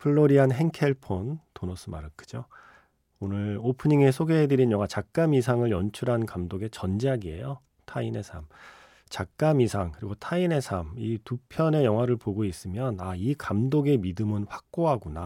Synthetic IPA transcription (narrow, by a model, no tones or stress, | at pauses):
pʰɯɭːoɾianɦe̞ŋkʰe̞ɭpʰontonʌs͈ʰɯma̰ɾɯkʰɯ̥d͡ʑo | onɯɭopʰɯɲiŋe̞sʰoɡe̞ɦedɯɾinjʌŋwat͡ɕak̚k͈amisʰaŋɯɭjʌnt͡ɕʰuɾɦankamdoɡe̞t͡ɕʌnd͡ʑiɦaɡie̞̰jo | tʰaine̞sʰam | t͡ɕak̚k͈amisʰaŋkɯɾiɡotʰaine̞sʰamitupʰjʌne̞jʌŋɦwaɾɯɭpoɡois͈ɯmjʌnaikamdoɡe̞midɯmɯnɸwḁk̚k͈oɦaɡuna